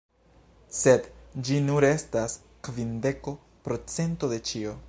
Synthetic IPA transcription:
se̞dd͡ʒinuɾe̞stas | kvinde̞ko | pɾo̞t͡se̞nto̞d̪e̞t͡ʃio̞

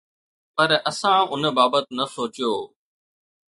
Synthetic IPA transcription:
pɐɾɐsãʊnbaːbət̪nɐsoːt͡ɕijoː

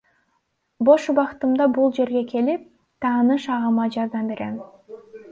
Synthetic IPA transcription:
boʃubɑqt̪ɯmd̪ɑbulˠd͡ʒe̞ɾɡe̞kʰe̞lip̚ | t̪ʰɑːnɯʃɑʁɑmɑd͡ʒɑɾd̪ɑmbe̞ɾḛm

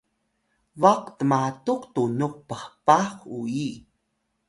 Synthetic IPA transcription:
vaqtəmatuqtunuq̚pəhpaxui

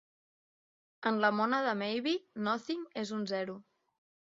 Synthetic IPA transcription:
ənləmɔnəðəmɛjβinɔθiŋezunzɛɾu

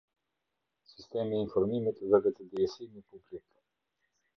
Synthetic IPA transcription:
sist̪emiːnfɔɾmimit̪vɛvɛt̪əd̪iɛsimipublik

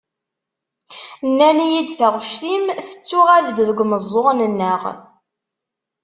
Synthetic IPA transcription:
nːænijid̪θaʁʃθimθə̥t͡sːʊʁæðd̪ðəɡʷməzˤːoʁnənːəʁ

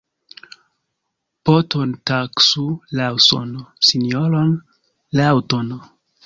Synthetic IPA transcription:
potʰontaksulawso̰nsinoɾon | lawton

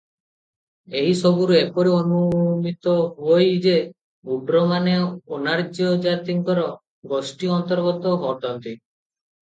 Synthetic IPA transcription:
eɦisɔbuɾuepɔɾiɔnumit̪ɔɦuojd͡ʒe | uɖɾɔmaneonaɾd͡ʒiɔd͡ʒat̪iŋkɔɾɔ | ɡɔsʈiɔnt̪ɔɾɡɔt̪ɔɦɔʈɔnt̪i

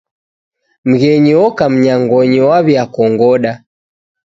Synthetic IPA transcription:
m̩ɣɛɲiɔkam̩ɲaŋɡɔɲiwaβiakɔŋɡɔɗa

